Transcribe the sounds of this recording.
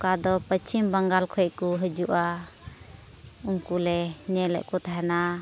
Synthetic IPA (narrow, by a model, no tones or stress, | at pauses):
kad̪ɔpət͡ʃʰimbaŋɡalkʰɔɛkuɦəd͡ʒuʔa | uŋkulɛɲɛlɛ̰ʔkut̪ʰaɦana